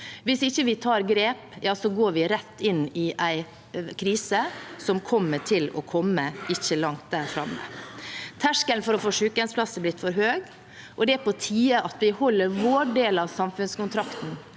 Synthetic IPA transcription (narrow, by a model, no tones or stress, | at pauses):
ʋɪsɪçːəʋɪt̪ʰɑːɾɡɾeːpjɑːsɔɡoːɾʋɪɾɛt̪ːɪnːɪʔæɪ | kʰɾiːsəsɔmkʰɔmːəʈʰɪlɔ̰kʰɔmːəɪçːəlɑŋt̪̚d̪æːɾfɾɑ̰mːə̰t̪ʰæʂkəlnfɔɾɔfoːʂʉkənspʰlɑsəblɪt̪ːfɔɾɦøːɡ | ʔɔd̪ɛæpɔt̪ʰiːəʔɑt̪ʋɪhɔlːəɾʋoːɖeːlɑʋsɑmfʉnskʊnt̪ɾɑkt̪n̩